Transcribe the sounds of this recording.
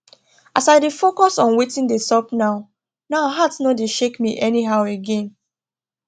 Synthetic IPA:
asaɪdefokɔsɔ̃nwetĩndestɔpnaʊ | naʊɦatnɔdeʃekmiʔɛniɦaʊeɡẽn

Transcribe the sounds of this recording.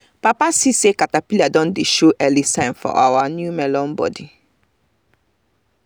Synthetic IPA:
papasisekatapiliadɔ̃ndeʃoʔɛlisãɪ̃nfɔ̰ʔa̰wanjumɛlɔ̃nbɔ̰di

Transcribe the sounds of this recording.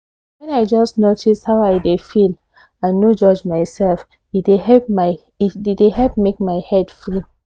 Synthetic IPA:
wɛ̃naɪd͡ʒɔsnotʰishaʊaɪdefil | ãnːod͡ʒɔd͡ʒmaɪsɛlf | idehɛp̚maɪ | ddehɛlp̚mek̚maɪhɛdfli

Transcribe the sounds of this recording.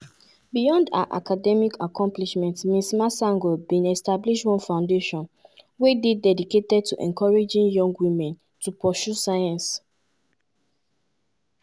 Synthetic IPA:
bijɔ̃nda̰ʔa̰kadɛmikakʰɔ̃mpliʃmɛ̃ntmĩsmasãŋɡɔbĩnɛstabliʃtwɔ̃nfãʊ̃ndeʃɔ̃nwededɛdiketɛd̚tʰuʔɛ̰̃nkʰɔɹed͡ʒĩnjɔ̃ŋɡwĩmɛ̃n | tupɔʃusajãns

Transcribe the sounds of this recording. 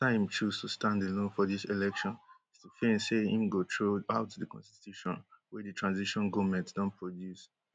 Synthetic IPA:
tãɪ̃mt͡ʃuztʰustãndelõnfɔdisilɛkʃɔ̃nistufẽseḭ̃mɡotʰɹoaʊtʰudəkʰɔ̰̃nsituʃɔ̰̃nwɛdɨtʰɹãnziʃɔ̃nɡɔmɛ̃ntdɔ̃npʰɹɔdjus

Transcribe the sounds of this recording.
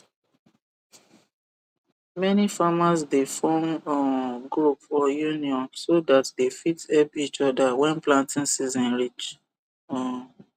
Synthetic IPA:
mɛnifamasdefɔ̃nɔɡɹupɔjuniɔ̃nsodatdefitɛpit͡ʃɔdawɛ̃nplãntĩnsizɔ̃nɹit͡ʃ

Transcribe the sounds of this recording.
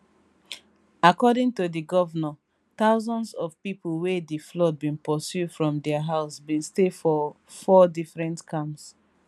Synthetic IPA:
akɔdĩŋtudiɡɔvənɔ | taʊzɔ̃ndsɔvpipolwediflɔt̚bĩnpɔsjudfɹɔ̃mdɛaɦaʊsbĩnstefɔ | fɔdifɹɛ̃ntkʰãms

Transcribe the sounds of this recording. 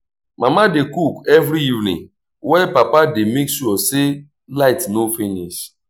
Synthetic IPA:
mamadekukɛvɾiivnḭ̃ŋ | wɛpapademeksuɔse | laɪtnofiniʃ

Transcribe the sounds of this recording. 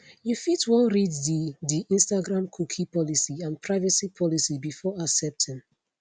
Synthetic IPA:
jufitwɔ̃nɹiddidiʔĩnstaɡɹãmkʰukʰipɔlisiãnpʰɹaɪvəsipʰɔlisibifɔasɛp̚tɛ̃n

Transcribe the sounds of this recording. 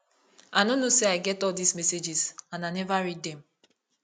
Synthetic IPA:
anonoseaɪɡɛtɔldismɛsed͡ʒizãnanɛvaɾid̚dɛ̃m̩

